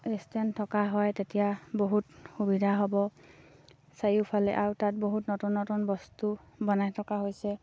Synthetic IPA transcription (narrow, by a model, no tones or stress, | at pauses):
estɛntʰɔkaɦɔjtetijaboɦutxubidʱaɦɔbɔ | sajupʰalɛ̰ʔawtat̚boɦutnotunːɔtunbɔstu | bɔnajtʰɔkaɦojsɛ